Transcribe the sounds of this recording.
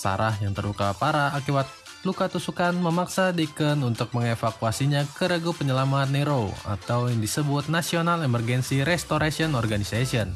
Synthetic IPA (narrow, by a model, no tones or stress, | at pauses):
sa̰ɾʔahjaŋt̪ərluka̰paɾaːkiwat̪̚ | lukat̪usukanməmaksadikənunt̪ʊk̚məŋefakuasiɲakəɾəɡupəɲəlamat̪̚neɾoa̰t̪awjaŋdisəbʊt̪̚nasionalɛmərɡɛnsiɾɛst̪oɾasiɔnɔrɡanisasiɔn